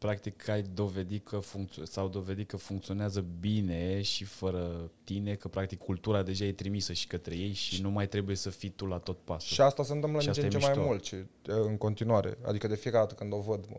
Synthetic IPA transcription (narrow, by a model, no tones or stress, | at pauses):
pɾakt̪ikʰajd̪o̞ve̞d̪it̪̚kʰəfuŋk̚t̪ssawd̪o̞ve̞d̪it̪̚kəfuŋkt̪sio̞neazəbine̞ʃifəɾət̪inekəpɾak̚t̪ikʰːult̪uɾad̪e̞ʒaje̞t̪ɾimisəʃi̥kət̪ɾe̞je̞jʃinumajt̪ɾe̞buje̞səfit̪ulat̪o̞t̪̚pasʃuʃiast̪asənt̪ɨmpləateaet͡ʃemajmult̪ʃiɨŋko̞nt̪inuaɾḛa̰d̪ikəd̪e̞fiekad̪at̪əkɨnd̪o̞vəd̪